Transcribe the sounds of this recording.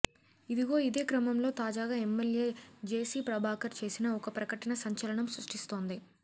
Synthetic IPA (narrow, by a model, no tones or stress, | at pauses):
id̪iɡo̞ːid̪e̞ːkɾɐmɐmlo̞ːt̪aːd͡ʒaːɡaːemːeljeːd͡ʒeːsiːpɾɐbʱaːkɐɾt͡ʃe̞ːsinɐɔkɐpɾɐkɐʈɐnɐsɐɲt͡ʃɐlɐɳɐmsɾuʂʈist̪o̞ːnd̪i